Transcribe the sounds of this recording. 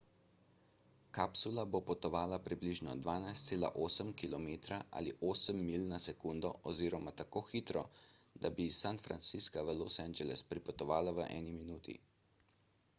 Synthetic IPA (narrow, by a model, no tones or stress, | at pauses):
kapsulabopɔt̪ɔʋaːlapɾibliʒnɔ̰d̪ʋaːnajst̪seːla̰ʔoːsəmkilɔmeːt̪ɾaʔa̰liʔoːsəmːiːlnasɛkund̪ɔʔɔziːɾɔmat̪akoːxiːt̪ɾɔd̪abisanfɾa̰nt̪siskaʋəlosɛnd͡ʒɛlɛ̰spɾipɔt̪ɔʋaːlaʋəʔɛ̰ːniminuːt̪ḭ